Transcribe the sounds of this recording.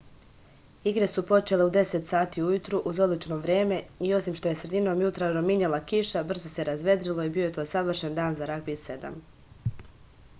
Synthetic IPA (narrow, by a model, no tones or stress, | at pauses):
iɡɾe̞supo̞t͡ʃe̞le̞ud̪e̞set̪saːt̪iːujut̪ɾuʔuzo̞d̪lit͡ʃnoːʋɾeːme̞io̞simʃt̪o̞je̞sɾe̞d̪ino̞ːmjut̪ɾaɾomiɲelˠakiʃabr̩zoseɾazʋe̞d̪ɾilˠo̞ibio̞jet̪o̞ːsaʋr̩ʃend̪aːnzaɾakbise̞d̪a̰m